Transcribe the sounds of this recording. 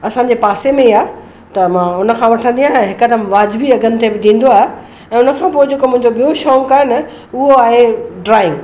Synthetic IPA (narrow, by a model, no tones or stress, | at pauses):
ɐsãɲd͡ʑepaːsemẽiaː | t̪ɐmãːʊnə̆kʰãːʋɐʈʰə̃nd̪ijãɛ̃ɦɪkəd̪əmʋaːd͡ʑbiɐɡənɪ̆t̪ʰebɪd̪ĩːn̆d̪oaːɦe | ɛ̃ːʊnəkʰãːpoːed͡ʑeːkomʊ̃ɦɪ̃ɲd͡ʑoɓijoʃɔːŋkaːɪnɐ | ʊɦoaːɦeɖɾaːɪ̃ŋɡ